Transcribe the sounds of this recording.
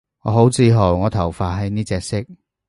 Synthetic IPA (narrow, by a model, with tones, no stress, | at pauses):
ŋɔ̰ː˨˧ɦo˨˥wt͡siː˧ɦo˨˩wŋɔː˨˧t̪ʰɐ˨˩wfaː˨˧t̚ɦɐ˨˧˥jniː˥t͡sɛː˧k̚sɪ˥k̚